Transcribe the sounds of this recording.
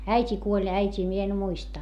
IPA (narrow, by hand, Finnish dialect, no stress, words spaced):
æitʲi kuolʲ æitʲiː mie en muistɑ